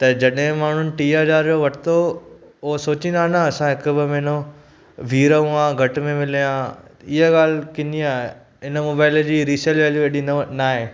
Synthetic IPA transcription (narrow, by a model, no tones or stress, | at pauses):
t̪ɐd͡ʑɐɗɦẽmaːɳ̤ʊnɪ̆ʈiːaːd͡ʒaːɾd͡ʑoʋɐʈʰɪt̪o | ʊɦosoːt͡ɕĩnd̪aːɦnəɐsãɦɪkʊbɪmɛ̃ːno | ʋʱiːɾəũãɡʱɐʈmẽmɪlijãɪɦəɡaːl̤kɪniaːe | ɪnəmoːbaːɪld͡ʑiːɾiːselʋɛːljueːɗinaːɦeː